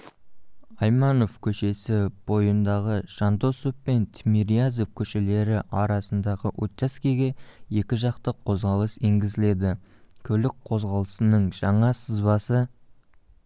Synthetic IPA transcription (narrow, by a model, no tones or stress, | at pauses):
ɑjmɑno̞vkʲʰɵʃe̞sɪb̥o̞jənd̪ɑʁəʃɑnd̪osoppːe̞nt̪ʰmiɾiazopkʲʰɵʃele̞ɾɪʔɑɾɑsənd̪ɑʁəʔot̪ʃaskʲeɡʲe̞je̞kʲɪʒɑqt̪əqʰːo̞zʁɑlˠəse̞ŋɡʲɪzɪle̞d̪ɪkʲʰɵlɪk̚qʰo̞zʁɑlˠəsənəɴʒ̥ɑɴɑsəzbɑsə